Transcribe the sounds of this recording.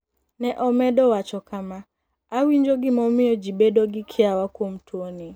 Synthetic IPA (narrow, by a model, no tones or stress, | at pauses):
nɛʔɔmɛɗɔwat͡ʃɔkʰamaː | wiɲd͡ʒɔɡɪmɔmɪɔd͡ʒibɛdɔɡɪkʰɪawakom̩tʰuoni